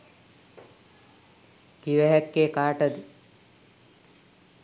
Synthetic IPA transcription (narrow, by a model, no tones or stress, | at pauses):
kiʋɛɦɛkːeːkaːʈɐd̪i